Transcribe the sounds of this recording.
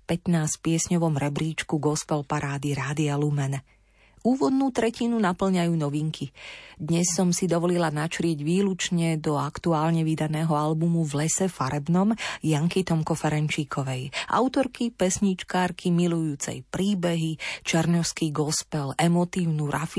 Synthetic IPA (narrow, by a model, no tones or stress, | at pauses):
pɛt̪naːscpɪɛsɲɔʋɔmɾɛbɾiːt͡ʃkuɡɔspɛlpaɾaːd̪iɾaːd̪ialumɛn | uːʋɔd̪nuːt̪ɾɛcinunapl̩ɲajuːnɔʋiŋkʰid̪ɲɛsːɔmsid̪ɔʋɔlilanat͡ʃɾɪɛɟʋiːlut͡ʃɲɛd̪ɔakt̪uaːlɲɛʋid̪anɛːɦɔalbumuvlɛsɛfaɾɛbnɔmjaŋkit̪ɔmkɔfɛɾɛnt͡ʃiːkʰɔʋɛjʔa̰ʊt̪ɔɾkipɛsɲit͡ʃkaːɾkʰimilujuːt͡sɛ̰jpɾiːbɛɦit͡ʃɛɾɲɔʊskiːɡɔspɛlɛmɔt̪iːʊnuːɾʔafi